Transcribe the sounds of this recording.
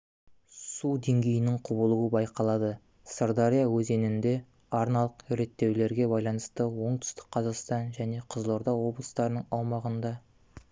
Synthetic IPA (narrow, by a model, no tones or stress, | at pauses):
sud̪e̞ŋɡʲe̞jɪnɪŋqʰʊbəlˠuwəbɑjqɑlˠɑd̪ə | sərd̪ɑɾijawɵze̞nɪnd̪e̞ | ɑɾnɑlˠəqɾe̞t̪ːe̞wle̞ɾɡʲe̞bɑjlˠɑnəst̪əwo̞ɴt̪ʰʏ̥st̪ɪ̥k̚qʰɑzɑqst̪ɑnʒæne̞qʰəzlˠo̞ɾd̪ɑwo̞blˠəst̪ɑɾənəɴɑwmɑʁənd̪ɑ